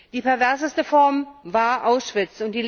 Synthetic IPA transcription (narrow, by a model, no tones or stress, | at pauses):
d̥iːpɛɐvɛɐzəstəfɔɐmvaːɐʔaʊsʃv̥ɪt͡sʊnt̚d̥iːl